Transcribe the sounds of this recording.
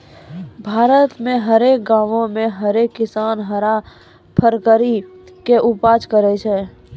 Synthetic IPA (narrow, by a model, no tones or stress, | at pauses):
bʱaːɾət̪mẽɦəɾeːk̚ɡãːʋõmẽɦəɾeːkːɪsaːnɦəɾa | pʰəɾkəɾikeʔʊpaːd͡ʒkəɾɛt͡ʃʰɛ